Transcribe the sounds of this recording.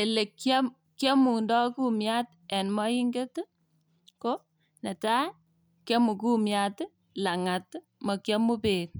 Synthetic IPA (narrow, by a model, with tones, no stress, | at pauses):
e˨le˨k | kjɛ˦mu˨ndɔ˦ku˦mja˦t | ɛ˨nmɔ˦ji˦ŋɡe˦t | ko˦ | ne˨ta˦ | kje˦mu˨ku˦mja˦t | la˨ŋa˨t | mɔ˨kjɔ˦mu˦peː˨t̚